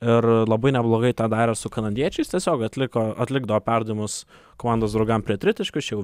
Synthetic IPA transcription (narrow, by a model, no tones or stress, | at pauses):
ɪrlˠɐbɐɪnʲɛblˠoːɡɐɪt̪ɑːd̪ɑːɾʲɛsʊkɐnɐd̪ʲiɛt͡ʃʲɛɪst̪ʲiɛsʲoːkɐt̪ʲlʲɪkoːɐ̰t̪ʲlʲɪɡd̪ɐʋoːpʲærd̪ɐʋʲimʊs | koːmɑˑnd̪oːsd̪ɾɐʊɡɐmpʲɾʲiɛt̪ɾʲɪt̪ʲɪʃkʲʊsjɛʊ